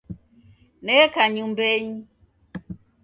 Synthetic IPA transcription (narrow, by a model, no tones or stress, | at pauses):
nɛkaɲumbɛɲi